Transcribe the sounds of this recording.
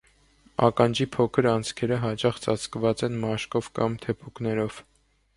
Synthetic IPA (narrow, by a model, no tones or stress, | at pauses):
ɑ̰kɑnd͡ʒipʰɔkʰəɾɑnt͡sʰkʰɛɾəɦɑt͡ʃɑχt͡sɑt͡sʰkvɑt͡sɛnmɑʃkɔvkɑmt̪ʰɛpʰuknɛɾɔv̥